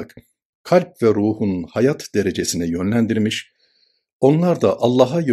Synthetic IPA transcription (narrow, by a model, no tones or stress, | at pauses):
k | kʰalʲp̚vɛɾuːhunhajat̪d̪e̞ɾe̞d͡ʒe̞sinɛjø̞nlʲænd̪iɾmiʃ | o̞nlˠaɾd̪aʔalˠːaːɦajø